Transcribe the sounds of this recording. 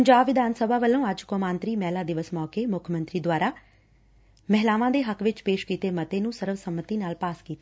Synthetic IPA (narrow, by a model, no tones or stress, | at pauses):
pəɲd͡ʒaːbʋɪd̪ʱaːnsəbʱaːʋəlːõːəd͡ʒkoːmaːnt̪ɾiːmɛːlaːd̪ɪʋəsmɔːkeːmʊkʰmənt̪ɾiːd̪waːɾaː | mɛɦlaːʋãːd̪eːɦəkʋɪt͡ʃpeːʃkiːt̪eːmət̪eːnũːsəɾʋsəmːət̪iːnaːlpaːskiːt̪eː